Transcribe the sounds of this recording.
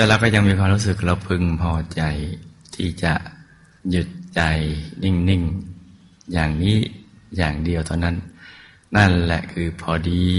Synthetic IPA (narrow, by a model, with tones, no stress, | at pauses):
t̪ɛː˨˧˩laː˧˩wkɔː˥˩ja˧ŋmiː˧kʰwaː˧mɾuː˦˥s̬ɯ˨˩k̚la˧˩wpʰɯ˧ŋpʰɔː˧t͡ɕa˧jt̪ʰiː˥˩t͡ɕa˨˩ʔ | ju˨˩t̪̚t͡ɕa˧jni˥˩ŋni˧˩ŋ | jaː˨˩ŋniː˦˥˩jaː˨˩ŋdi˧əwt̪ʰaː˧˩na˦˥˩nː | a˥˩nlɛ̰˨˩ʔkʰɯː˧pʰɔː˧diː˧